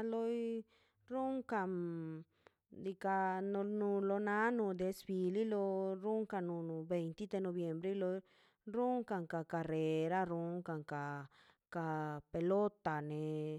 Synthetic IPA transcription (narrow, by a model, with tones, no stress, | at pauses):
lo˦j | ɾu˦ŋka˧˨m | d̪i˧ka˧no˧nũ˧lo˧nã˦nũ˧˨d̪e˧sbi˧li˦lo˧ɾu˦ŋka˧nũ˧˨nũ˧˨be˧jnt̪i˦d̪e˧nõ˧βje˧mbɾe˦lo˧ | ɾu˦ŋka˧ŋka˧ka˧re˨ɾa˦ɾu˧˦ŋka˨ŋka˨ | ka˧pe˧lo˦t̪a˨nẽ˨